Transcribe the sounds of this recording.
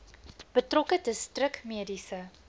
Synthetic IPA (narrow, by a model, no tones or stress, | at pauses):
b̥ətrɔkətəstrəkmiədisə